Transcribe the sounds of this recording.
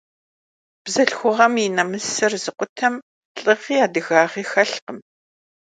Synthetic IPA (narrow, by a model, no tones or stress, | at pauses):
b̥zɐɬxʷʊʁɐminɐmɨsɨrzɨqʷʊtʰɐm | ɬʼɨʁiːaːdɨɣaːʁiːxɐɬqəm